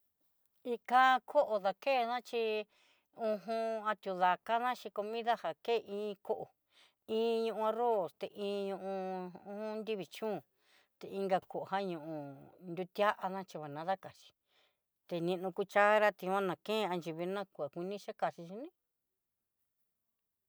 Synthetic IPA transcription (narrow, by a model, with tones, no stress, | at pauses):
i˧ka˧kʰo˦ʔo˨˧ða˧ke˦˨˧nã˦t͡ʃi˧ | ũ˧ɦũ˧a˧t̪ʲju˧ða˨ka˦nã˦ʃi˧ko˧mĩ˦ða˦ha˨ke˦˨ʔĩː˧˦˧ko˦ʔo˨ | ĩː˦ɲũ˧ʔũ˧a˧ɾo˦˨st̪e˨ʔĩː˧˦ɲũ˧ʔũ˧ũ˦hũ˦nd̪i˦βi˨t͡ʃũː˦˨ | t̪e˨ĩ˧ŋɡa˧ko˨ʔo˨ha˦ɲũ˧˨ʔũ˧nd̪u˧t̪ja˦ʔa˧nã˦t͡ʃi˧βa˨nã˨˦ða˦ka˨t͡ʃi̥˧ | t̪e˧nĩ˧nũ˧ku˦t͡ʃa˦a˦ɾa˦t̪ĩ˧ã˦nã˨kẽ˦˧a˧nd͡ʒi˧βi˧nã˦ku˧˨a˨kʷi˧nĩ˦ʃa˦ka˨ʃi˧ʃi˧nĩ˦